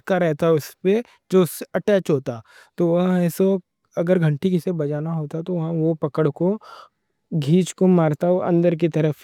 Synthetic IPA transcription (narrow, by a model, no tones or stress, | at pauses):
kaɾɛɦt̪aɦɛʊspe | d͡ʒoːsɐʈɛːt͡ʃɦoːt̪a | t̪oʋɐɦãɛːso | ɐɡəɾɡʱɐ̃ɳʈikesebɐd͡ʒaːnaɦoːt̪aɦt̪oʋɐɦãʋopɐkəɽko | ɡʱiːt͡ʃkomaːɾt̪aoɐ̰̃nd̪əɾk̬it̪ɐɾəf